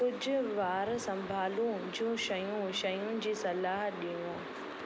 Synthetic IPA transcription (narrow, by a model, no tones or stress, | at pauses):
kʊd͡ʑʱʊ̆ʋaːɾsɐ̃mbʱaːlũd͡ʑũːʃɐjũʃɐjũnd͡ʑiːsɐlaːɦɗijũː